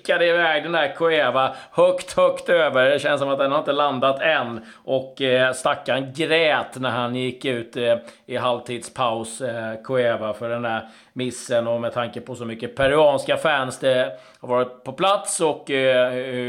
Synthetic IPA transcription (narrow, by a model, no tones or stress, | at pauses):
kːad̪əɪvɛːɡd̪ɛnd̪æɾkʰʊeːvahœkt̪hœkt̪øːvəɾd̪ɛɕɛnəsɔmat̪̚d̪ɛnhaɾɪnt̪əland̪at̪ɛnː | ʔɔkːst̪akːanɡɾɛːt̪næɾhanjɪkːʉ̟ːt̪ɪɦalvt̪ʰiːd̪spʰaʊskʰʊeːvafœɖɛnd̪æɾ | mɪsːənɔmɛt̪ʰaŋkəpʰɔsɔmʏkːəpʰɛɾɪɑːnskafænsd̪ɛ | haɾvɑːɾɪt̪̚pʰɔpʰlat̪sɔkː